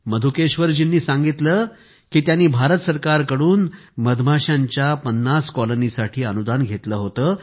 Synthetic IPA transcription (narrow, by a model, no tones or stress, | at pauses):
məd̪ʱukeɕʋəɾd͡ʑinːiːsãŋɡit̪ləː | kiːt̪janːiːbʱaɾət̪səɾkaɾkəɽuːnməd̪bʱaɕaɲt͡ɕjapənːaskɔlənisaʈʰiːənud̪anɡʱet̪ləːɦot̪əː